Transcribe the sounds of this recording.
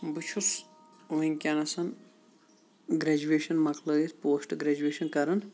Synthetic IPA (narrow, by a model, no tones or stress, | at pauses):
but͡ʃʰus | ʋɐŋʲkʲanɐsɐn | ɡɾɛd͡ʒueːʃɐnmɐklɐispoːsʈɨɡɾɐd͡ʒueːʃɐnkɐɾɐn